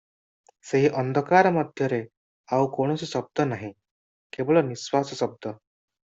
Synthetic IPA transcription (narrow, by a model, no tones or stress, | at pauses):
seɦiʔənd̪ʱəkaɾməd̪ʱjəɾe | aukoɽ̃ɔsiɕəb̚d̪ʱənaɦĩ | kebəɭɔniswasəsəb̚d̪ʱə